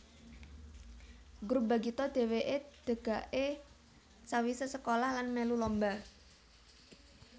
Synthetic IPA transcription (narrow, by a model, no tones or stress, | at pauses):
ɡɾup̚ba̤ɡit̪ɔd̪̥e̤weʔed̪̥ə̤ɡ̥a̤ʔe | sawisəsəkolahlanmelulɔmba